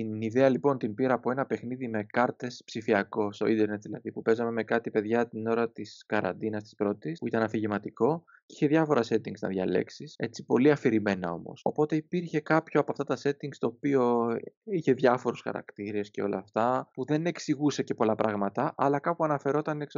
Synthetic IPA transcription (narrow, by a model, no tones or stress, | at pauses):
iniðeɐlipo̞nt̪imbiɾɐːpo̞e̞nɐpe̞xniðime̞kɐɾt̪e̞spsifiɐko̞st̪o̞ind̪eɾne̞t̪̚ðilɐðipupe̞zɐme̞me̞kɐt̪ipe̞ðʝɐt̪ino̞ɾɐt̪iskɐɾɐ̰nd̪inɐst̪i̥spɾo̞t̪ispuit̪ɐnɐθiʝimɐt̪iko̞ | içe̞ðjʝɐfo̞ɾɐse̞t̪iŋɡznɐ̰ðʝɐ̰le̞̰ksise̞t͡si̥po̞liɐfiɾime̞nɐ̰o̞̰mo̞̰so̞po̞t̪e̞ipiɾçe̞kɐpçoɐpoɐft̪ɐt̪ɐse̞t̪iŋɡst̪o̞ːpio̞içe̞ðʝɐfo̞ɾusxɐ̰ɾɐ̰kt̪iɾe̞sce̞o̞̰lɐ̰ːft̪ɐpuðe̞ne̞ksiɣuse̞ce̞po̞lɐpɾʔɐɣmɐt̪ɐʔɐlɐkɐpuɐnɐfe̞ɾo̞t̪ɐneks